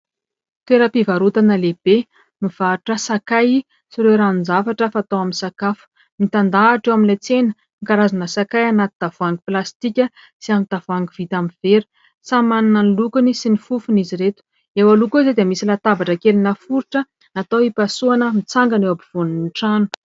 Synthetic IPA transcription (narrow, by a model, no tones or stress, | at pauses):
t̪weɾəpivaɾut̪anəleb̥e | miv̥aʈ͡ʂəsakaj | siɾeɾannzafaʈ͡ʂəfaːt̪owaminsakafu̥ | mit̪and̪aːʈ͡ʂewaminlejt͡senə̥ | ikaɾazanəsakajanat̪id̪avuaŋɡiplast̪ikʲə | siamit̪avaŋɡivit̪aminv̥eɾu̥ | samananənlukunisinifufuniziɾet̪u̥ | ewalukuized̪iəmisilat̪abaʈ͡ʂəkelinəfuɾiʈ͡ʂə | at̪awipasuanəmit͡saŋɡanewabiv̥ununʈ͡ʂanu̥